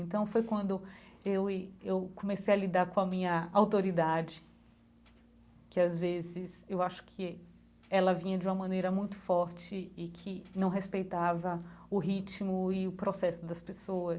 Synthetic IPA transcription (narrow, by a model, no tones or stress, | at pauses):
ẽnt̪ɐ̃w̃fojkwɐ̃nd̪ʊewewkõmesejɐlid̪aɾkõɐmĩɲɐawt̪oɾid̪ad͡ʒɪ | kɪazvezɪsewaʃʊ̥kʰɪ | ɛlɐvĩɲɐd͡ʒɪũmɐmɐ̃nejɾɐmũj̃t̪ʊ̥fɔɾt͡ʃɪːkʰɪnɐ̃w̃ɦespejt̪avɐʊɦit͡ʃmʊɪʊpɾɔsɛsʊd̪ɐspesoɐ